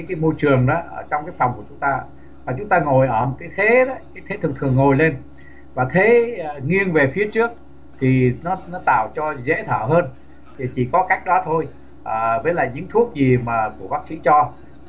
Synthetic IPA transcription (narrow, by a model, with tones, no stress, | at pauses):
jkaː˨˦jmo˧jt͡ɕɨ˨˩əŋɗɔ˨˦ʔəː˧˩t͡ɕɔ˧wŋ͡mkaː˨˦jfwŋ͡mku˧˩ət͡ɕʊ˨˦ŋ͡mt̪aː˧ | vaː˨˩t͡ɕʊ˨˦ŋ͡mt̪aː˧ŋo˨˩jʔəː˧˩kaː˨˦jt̪ʰe˨˦ɗɔ˨˦kaː˨˦jt̪ʰe˨˦t̪ʰɨ˨˩ŋt̪ʰɨ˨˩əŋːo˨˩jle˧n | vaː˨˩t̪ʰe˨˦˨ŋi˧ənve˨˩fi˨˦ət͡ɕɨ˦˥ək̚ | t̪ʰi˨˩nɔ˨˦nɔ˨˦t̪a̰ː˧˩˨wt͡ɕɔ˧zḛ˧˥t̪ʰəː˧˩ɦəː˧nʰ | i˨˩t͡ɕi˧˩kɔ˨˦ka˦˥jk̟̚ɗɔ˨˦t̪ʰo˧j | ʔəː˨˩vəː˨˦jla̰ː˧˨jɲɨ̰˧˥ŋt̪ʰu˦˥ək̚zi˨˩maː˨˩ku˧˩əɓaː˦˥k̚sḭ˧˥t͡ɕɔ˧